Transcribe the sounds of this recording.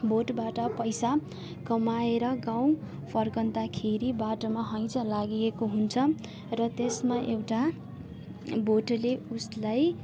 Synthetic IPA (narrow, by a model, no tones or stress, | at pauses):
boʈbaʈʌpʌjsa | kʌmaeɾʌɡaw̃ | pʰʌrkʌnd̪akʰeɾibaʈomaɦʌj̃t͡sʰʌlaɡijekoɦunt͡sʰʌ | rʌt̪esmaʔewʈa | boʈleuslaj